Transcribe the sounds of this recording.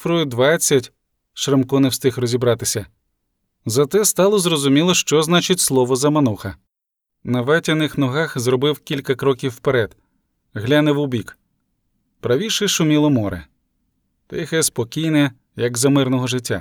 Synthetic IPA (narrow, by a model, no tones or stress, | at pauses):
fɾɔjʊd̪ʋɑt͡sʲːɐtʲ | ʃɾɪmkɔnɛwst̪ɪxrɔzʲibɾɑt̪ɪsʲɐ | zɐt̪ɛst̪ɑlˠɔzrɔzʊmʲilˠɔʃt͡ʃɔznɑt͡ʃɪtʲslˠɔʋɔzɐmɐnuxɐ | nɐʋɛtʲɐnɪxnɔɦɑxzrɔbɪwkʲilʲkɐkɾɔkʲiwːpeɾɛd̪̥ | ɦlʲanɪwʊbʲik | pɾɐʋʲiʃɛʃʊmʲilˠɔmɔɾɪ̰ | t̪ɐ̰jxɛspɔkʲijnɛ | jɐɡzɐmɪrnɔɦɔʒɪtʲːa̰